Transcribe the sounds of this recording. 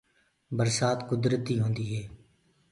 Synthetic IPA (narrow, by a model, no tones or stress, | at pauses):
bəɾsaːt̪kʊd̪ɾət̪ːiːɦõːnd̪iːɦeː